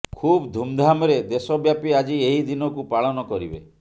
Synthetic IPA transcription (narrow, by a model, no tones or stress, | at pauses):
kʰubd̪ʱumd̪ʱamɔɾed̪esɔbjapiad͡ʒieɦid̪inɔkupaɭɔnɔkɔɾibḛ